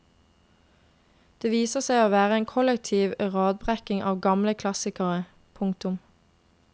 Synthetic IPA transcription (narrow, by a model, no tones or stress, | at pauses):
d̪̥eːʋiːsəsæɪoːʋæːʁəeːŋkʰɔlɛk̚t̪ʰiːʋʁɑːd̪̚bʁækɪŋʔɑːʋɡɑmləkʰlɑsɪkəʁə | pʰʊŋkt̪ʊm